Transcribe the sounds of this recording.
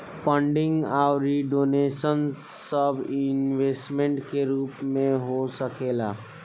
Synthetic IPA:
pʰə̃ɳɖɪ̃ŋɡaːɾiɖoːneːʃən | səbɪnʋeːsʈmẽɳʈkeɾuːpmẽɦosəkeːlaː

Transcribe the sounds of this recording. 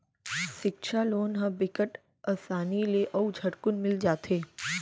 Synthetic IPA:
ʃɪkʃʰaloːnɦə̃bɪkəʈ | ɐsaːnileʔɐud͡ʒʱɐɽkʊnmɪld͡ʒaːt̪eː

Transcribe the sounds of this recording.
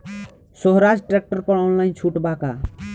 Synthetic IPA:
soɦɾad͡zʈɾek̚ʈəɾpəɽaʊ̃nlaĩnt͡ʃʰuʈbaka

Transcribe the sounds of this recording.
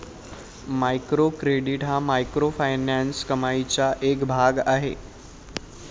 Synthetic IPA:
maikɾokɾeɖiʈɦãmajkɾofʰajnanskəmait͡ɕaʔekbʱaɡaːɦḛː

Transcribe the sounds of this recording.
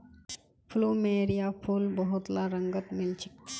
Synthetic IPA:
fʰlumeɾijafʰulbəɦut̪laɾəŋɡət̪milt͡ʃik

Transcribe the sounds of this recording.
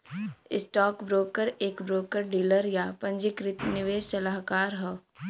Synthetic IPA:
ɪsʈɔːkbɾoːkəɾeːkbɾoːkəɾɖiːləɾjapɐ̃ɲd͡ʒɪkɾɪt̪nɪʋeːʃsɐlaɦkaːɾɦɛː

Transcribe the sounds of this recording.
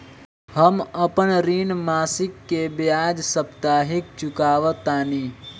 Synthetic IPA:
həməpənɾiːnmaːsɪkːebjaːd͡ʒsəpt̪aːɦɪk̚t͡ʃʊkaːʋət̪aːniː

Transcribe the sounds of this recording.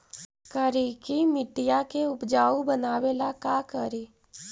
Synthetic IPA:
kəɾikimɪʈːijakeʊpd͡ʒaːubənaːwelakakəɾi

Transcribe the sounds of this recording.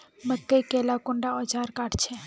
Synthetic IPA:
məkːəjkelakʊɳɖaɔd͡ʒaːɾkaːʈt͡ʃʰe

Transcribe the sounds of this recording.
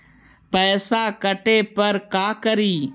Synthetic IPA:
pɛːsaːkəʈeːpəɾkaːkəɾiː

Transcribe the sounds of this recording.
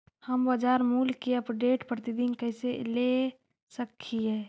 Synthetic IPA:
həmbəd͡ʒaːɾmulkeɐpɖeːʈpɾət̪id̪inkəɪsele | səkʰːiɦɛː

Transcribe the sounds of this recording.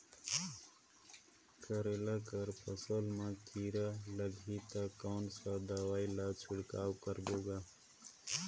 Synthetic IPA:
kʰəɾelakəɾpəsəlmãkiːɾaləɡʱit̪akaːnsad̪awaːilat͡ʃʰɪɽkaːwkəɾboːɡa

